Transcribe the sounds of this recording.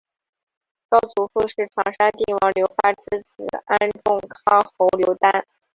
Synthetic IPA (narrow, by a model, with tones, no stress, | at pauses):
kɑ˥ʊt͡su˧˥fu˥˧ʂɻ̩˥˩ʈ͡ʂʰɑ˨˩ŋʂa˥nt̪i˥˩ŋwɑ˧˥˩ŋljo˧˥ʊfa˥ʈ͡ʂɻ̩˥t͡sɹ̩˨˩˦a˥nʈ͡ʂʊ˥˩ŋkʰɑ˥xo˧˥ʊljo˧˥ʊt̪a˥n